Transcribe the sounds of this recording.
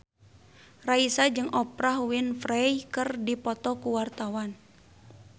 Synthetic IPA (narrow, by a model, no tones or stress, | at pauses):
raisad͡ʒɨŋʔɔpɾahwinfɾɛjkɨrdipɔt̪ɔkuwart̪awan